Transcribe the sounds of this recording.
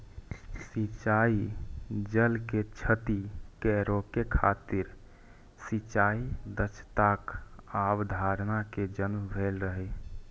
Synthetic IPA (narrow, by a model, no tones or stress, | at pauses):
sit͡ʃaid͡ʒəlket͡ʃʰət̪ikɛɾokekʰat̪iɾ | sit͡ʃaid̪ət͡ʃʰt̪akabd̪ʱaɾnaked͡ʒənmbʱelɾəɦɛ